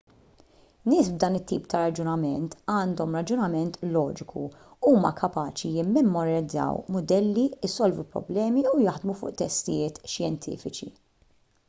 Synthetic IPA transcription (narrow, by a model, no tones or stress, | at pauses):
nɪːsbd̪ɐːnɪt̪ːḭːpt̪ɐɾɐd͡ʒʊnɐmɛnt̪ɐːnd̪ɔmɾɐd͡ʒʊnɐmɛnt̪lɔːd͡ʒɪkʰṵuːmɐ̰kʰɐpɐːt͡ʃijɪmːɛmːɔɾɪd͡zːɐ̰wmʊd̪ɛlːiɪsɔlvupɾɔ̰blɛːmiujɐħd̪mufʊ̰ːʔt̪ɛst̪ɪjɪːt̪ʃjɛnt̪ʰḭːfɪt͡ʃḭ